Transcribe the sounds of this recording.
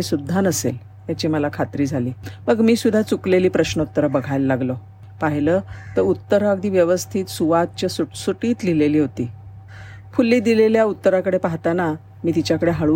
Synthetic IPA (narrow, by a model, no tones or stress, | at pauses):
esud̪ʱːanəsḛl | jat͡ɕiməlakʰat̪ɾiːd͡zʱaliːməɡmiːsud̪ʱːat͡sukleliːpɾəɕnəut̪ːəɾəbəɡʱajləːaɡlo | paɦiləːt̪əɾut̪ːəɾəɡd̪ʱiːʋjəʋəst̪ʰiːt̪suʋat̪̚t͡ɕasusuʈiːt̪lileliːɦot̪iː | fulːiːd̪ileljaut̪ːəɾakəɽepaɦt̪ana | miːt̪it͡ɕjakəɽeɦaɭu